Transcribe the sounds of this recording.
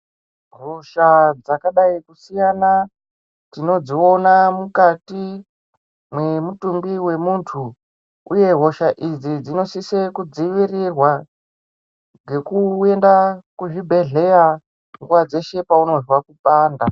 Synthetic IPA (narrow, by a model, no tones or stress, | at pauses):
roʃad͡zakaɗaikusijana | tino̞d͡zio̞namukati | mwemutumbiwe̞muːntʰu | uje̞ɦo̞ʃaʔid͡zid͡zino̞sisekud͡ziʋirirwa | ɡe̞kue̞ndakuʐibʱe̞ɮe̞ja | ŋɡuwad͡ze̞ʃe̞pauno̞zwakupaːnda